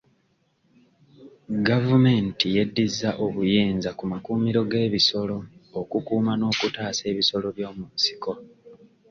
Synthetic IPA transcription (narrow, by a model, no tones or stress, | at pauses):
ɡavume̞ːntije̞dːizːaʔo̞βujeːnzakumakuːmiɾo̞ɡe̞ːβiso̞lo̞ːkukuːmano̞ːkutaːse̞ːβiso̞lo̞βjo̞ːmunsi̥ko̞